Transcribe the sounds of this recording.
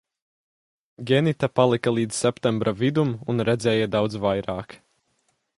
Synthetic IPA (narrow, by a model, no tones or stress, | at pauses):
ɡʲɛnit̪apalˠikalˠiːd̪z̥sɛpt̪ɛmbɾavid̪umunɾɛd̪zʲɛːjad̪awd̪zvajɾaːk